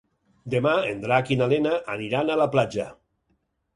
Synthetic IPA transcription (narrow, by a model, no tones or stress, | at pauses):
d̪emaend̪ɾakinalenaʔaniɾanalaplad͡ʒa